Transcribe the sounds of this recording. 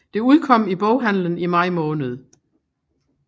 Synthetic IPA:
d̥e̝uð̞ˠkʰɒ̽m̰ib̥ɔʊɦæn̰lənimɑ̈ɪ̰mɔːnəð̞̩ˠ

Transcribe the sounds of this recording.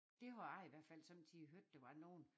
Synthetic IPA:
d̥e̝hɑɑɪiʋæɐ̰d̥fæl̰sɒ̽m̰d̥ʰiɦøɐ̰d̥ːeʋɑ̈no̝ːn̩

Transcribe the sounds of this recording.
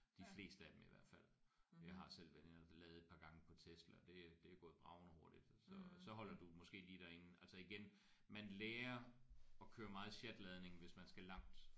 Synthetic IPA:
d̥ifle̝̰ːsd̥əæd̥emiʋæɐ̰d̥fæl̰jɑ̈ɪɦɑ̈sel̰ʋæenɐlɛːð̞̩ˠe̝d̥pʰɑ̈ːɡ̥ɑ̈ŋəpʰɒ̽t͡sʰesd̥lɐd̥e̝d̥e̝æɡ̥ɔ̽ːð̞̩ˠb̥ʁɑ̈ʊnɒho̝ɐɾ̥id̥sɒ̽sɒ̽ɦɒ̽l̰ɐd̥umɒ̽sɡ̥e̝̰ːliːd̥æɐe̝n̩æl̰sɒiɡ̥en | mænleːɐɒ̽kʰøːɐmɑ̈ːð̩ˠɕed̥lɛð̞ˠne̝ŋ̩ʋe̝smænsɡ̥ælɑ̈ŋ̰d̥

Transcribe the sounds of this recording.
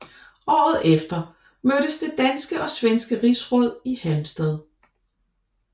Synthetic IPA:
ʔɒ̰ːð̞̩ˠefd̥ɐ | møɾ̥əsd̥e̝d̥ænsɡ̥əʔɒ̽sʋensɡ̥əʁisʁɔ̽ð̞̰ˠihælmsd̥ɛð̞ˠ

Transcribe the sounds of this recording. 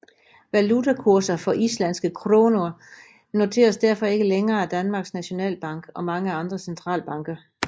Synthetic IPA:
ʋælut͡sʰækʰuɐsɐfɒ̽ʔislæn̰sɡ̥əkʰʁo̝ːnoɐ | no̝t͡sʰe̝̰ːɐsd̥æɐ̰fɒ̽e̝ɡ̥əleŋɐːæd̥ænmɑ̈ːɡ̥snæɕo̝nɛ̰ːlb̥ɑ̈ŋ̰ɡ̥ɒ̽mɑ̈ŋəɑ̈nd̥ʁɐsent͡sʰʁɑ̰̈ːlb̥ɑ̈ŋɡ̥ɐ

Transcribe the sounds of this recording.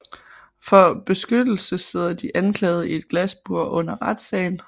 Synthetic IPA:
fɒ̽b̥e̝sɡ̥ød̥l̩səse̝ð̞̰ˠɐd̥iʔænkʰlɛːð̞̩ˠəie̝d̥̚ɡ̥læsb̥uɐ̰ʔɔ̽n̰ɐʁɑd̥sɛːɪn

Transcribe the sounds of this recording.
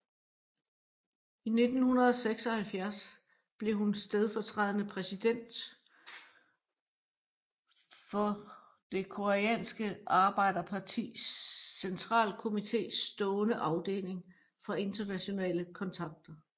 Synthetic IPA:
ine̝d̥n̩hunɐð̞ˠɒseɡ̥sɒ̽hælfjæɐs | b̥le̝ɦunsd̥eð̞ˠfɒ̽t͡sʰʁɑðˠənəpʰʁɛsid̥en̰d̥ | fɒ̽ | d̥e̝kʰo̝æɛ̰ːnsɡ̥əɑ̈ːb̥ɑ̈ɪ̰d̥ɐpʰɑ̈t͡sʰḭːsːent͡sʰʁɑ̰̈ːlkʰo̝mit͡sʰe̝̰ːsd̥ɔ̽ːnəʔɑ̈ʊd̥e̝̰ːle̝ŋ | fɒ̽e̝ndɐnæɕo̝nɛ̰ːləkʰɒ̽nt͡sʰɑ̈ɡ̥̚d̥ɐ

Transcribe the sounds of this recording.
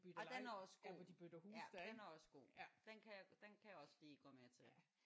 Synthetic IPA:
b̥yd̥ɒd̥enæɒsɡ̥o̰ɒd̥ib̥ød̥ɐhusd̥denæɐɒ̽sɡ̥o̝̰ːd̥enkʰæjad̥enkʰæjäɒ̽sliːɡ̥ɒ̰meɐt͡sʰe

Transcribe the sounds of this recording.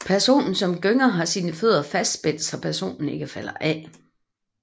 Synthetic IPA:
pʰæɐso̝̰ːnn̩sɒ̽mɡ̥øŋɐɦɑ̈siːnəføð̞ˠɐfæsd̥sb̥el̰d̥sɒpʰæɐso̝̰ːnn̩e̝ɡ̥əfælɐʔɛ

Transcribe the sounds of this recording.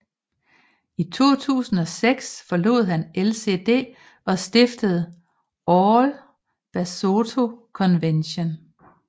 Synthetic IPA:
it͡sʰo̝̰ːt͡sʰṵːsn̩ɒ̽seɡ̥sfɒ̽lo̝̰ːð̞̩ˠɦænelse̝̰d̥e̝̰ː | ɒ̽sd̥efd̥əð̞̩ˠ | ɒl | b̥æso̝t͡sʰo̝kʰɒ̽nʋenɕon

